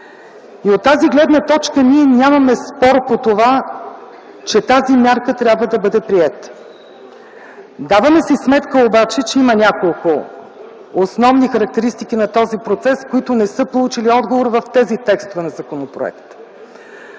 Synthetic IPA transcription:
iot̪ːaziɡlɛd̪nət̪ɔt͡ʃkəniɛnʲamɐmɛspɔɾpot̪ova | t͡ʃɛt̪azimʲjaɾkət̪ɾʲjabvəd̪ɐbɤd̪ɛpɾiɛt̪ | d̪avəmɛsismɛt̪kəobat͡ʃɛt͡ʃɛimənʲakolˠkʊ | osnɔvnixɐɾɐk̚t̪ɛɾist̪ikinɐt̪ɔzipɾot̪sɛskoit̪ʊnɛsɤpolˠut͡ʃiliɔd̪ɡovoɾvɐft̪ɛzit̪ɛkst̪ovɛnɐzɐkonopɾo̰ɛ̰kt̪

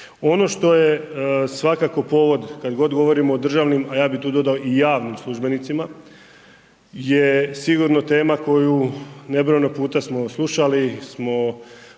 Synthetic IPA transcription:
o̞no̞ʃt̪o̞jesʋakako̞po̞ːʋo̞d̪kad̪ɡo̞d̪ɡo̞ʋo̞ɾimoːd̪r̩ʒaʋnimajaːbit̪uːd̪o̞d̪aoʔijaːʋnimslˠuʒbe̞nit̪sima | jesiɡuɾnot̪e̞ːmako̞june̞bɾojnopuːt̪asmoslˠuʃalismo̞

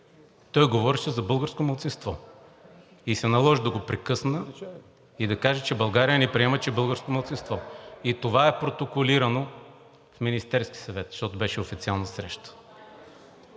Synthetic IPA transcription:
t̪ɔjɡovɔɾɛʃɛzɐbɤlˠɡəɾskomɐlˠt̪sinst̪vɔ | isɛnɐlˠɔʒd̪ɐɡopɾɛkɤsnə | id̪ɐkaʒɛt͡ʃɛbɐlˠɡaɾijənɛpɾiɛmɐt͡ʃɛbɤlˠɡəɾskomɐlˠt̪sinst̪vɔit̪ovaɛpɾot̪okoliɾɐno | fminist̪ɛɾsk̟i̥sɐvɛt̪ʃt̪ɔt̪ʊbɛʃɛofit̪ialˠnɐsɾɛʃt̪ə̥

